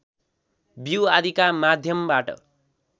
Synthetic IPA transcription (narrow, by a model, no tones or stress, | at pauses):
biwad̪ikamad̪ʱjʌmbaʈʌ̰